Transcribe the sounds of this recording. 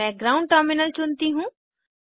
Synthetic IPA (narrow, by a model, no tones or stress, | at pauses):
ɛ̃ɡɾaːʊ̃ɳɖ̚ʈəɾmɪnəlt͡ʃʊnt̪iɦũː